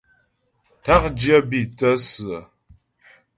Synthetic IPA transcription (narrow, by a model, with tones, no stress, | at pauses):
ta˦k̚d͡ʒjə˦bi˦˨t͡sə˦sɨ˨ə˨